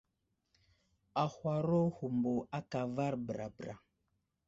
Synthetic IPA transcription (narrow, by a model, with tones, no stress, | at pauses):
a˨hwa˨ɾo˦hu˨mbo˨a˦ka˨va˦ɾbɾa̰˨bɾa̰˨